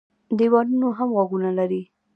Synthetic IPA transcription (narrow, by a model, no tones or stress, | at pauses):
d̪iwɑnunoɦamɣaɡunalaɾi